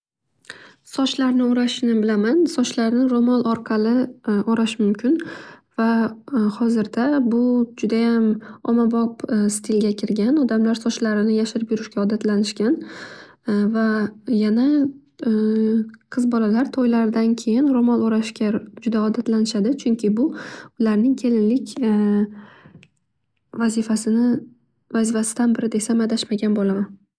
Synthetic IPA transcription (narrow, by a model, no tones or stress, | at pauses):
sɒt͡ʃlaɾnɪʊɾaʃnɪbɪlamansɒt͡ʃlaɾnɪɾomɒlˠɒɾqʰɑlɪʔɒɾaʃmʊmkʲʰɪnvahɒzɪɾd̪̥abʊd͡ʒʊd̪ajamɒmabɒpst̪ʰɪlɡʲakʲʰɪɾɡʲanɒd̪amlaɾsɒt͡ʃlaɾɪnɪjaʃɪɾɪpjʊɾɪʃkʲaɒd̪at̪ʰlanɪʃkʲan | vajana | qʰɨzbɒlalaɾt̪ʰɒjlaɾd̪ankʲʰe̞jɪnɾomɒlˠoɾaʃkʲad͡ʒʊd̪aɒd̪at̪lanɪʃad̪ɪt͡ʃʰʊŋkʲʰɪbʊʊlaɾnɪŋkʲʰe̞lɪnlɪkʲ | vazɪfasɪnɪ | vazɪfasɪ̥d̪anbɪɾɪd̪e̞samad̪aʃmaɡʲanbolaman